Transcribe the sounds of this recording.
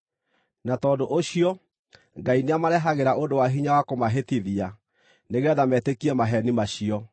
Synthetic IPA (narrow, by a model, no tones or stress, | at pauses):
natɔːdoʔoɕiɔ | ŋɡaineamaɾɛɦaɣeɾaʔondowaɦiɲawakomaɦetiðia | neɣɛðamɛtekiɛmaɦɛnimaɕiɔ